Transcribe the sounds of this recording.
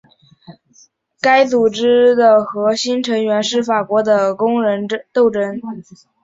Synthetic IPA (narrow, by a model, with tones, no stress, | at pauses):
ka˥ɪt͡su˨˩ʈ͡ʂɻ̩˥d̪ə˨xɤ˧˥ɕi˥nʈ͡ʂʰɤ˧˥ŋɥɛ˧˥nʂɻ̩˥˩fa˨˩kwɔ˧˥d̪ə˧kʊ˥ŋɻə˧˥n˥t̪o˥˩ʊʈ͡ʂə˥n